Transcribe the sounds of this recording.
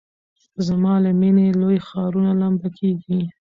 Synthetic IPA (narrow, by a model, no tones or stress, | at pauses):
zamɑləminelojxɑɾunalambakʰeɡi